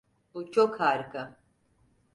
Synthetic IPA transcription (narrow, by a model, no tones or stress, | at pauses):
ut͡ʃʰʼɔkʰhaɾkʰa